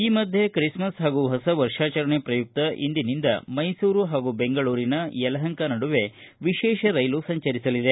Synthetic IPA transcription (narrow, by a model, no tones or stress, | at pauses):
iːmɐd̪ʱjekɾismɐsɦaːɡuɦɐsɐʋɐɾʂaːt͡ʃɐɾɐɳepɾɐjuk̚t̪ɐʔḭnd̪inind̪ɐ̰mɐjsuːɾuɦaːɡube̞ŋɡɐɭuːɾinɐjɛlɐɦɐŋkɐnɐɽuʋe̞ | ʋiʃɛːʃɐɾɐjlusɐɲt͡ʃɐɾisɐlid̪e̞